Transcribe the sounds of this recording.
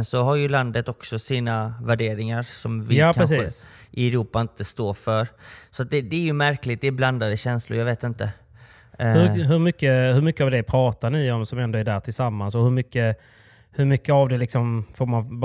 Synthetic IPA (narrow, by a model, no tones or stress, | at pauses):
nsɔɦaɾjɵland̪ət̪ɔksɔsiːnavæɖeːɾɪŋaɾsɔmvɪaːpkʰaɾɛsiːsʔɪɛɾuːpaɪnt̪əst̪oːfœɾsɔat̪̚d̪ɛd̪ɛːɾjɵmæɾklɪt̪̚d̪ɛbland̪ad̪əɕɛnslʊɾjaveːt̪ɪnt̪ə | hɵɦɵɾmʏkːəhɵɾmʏkːəavd̪ɛpʰɾɑːt̪aɳɪɔmsɔmɛnd̪ɔæɖæːʈ̪ʰɪlsamːansɔhɵɾmʏkːə | hɵɾmʏkːəavd̪ɛlɪksɔmfoːɾman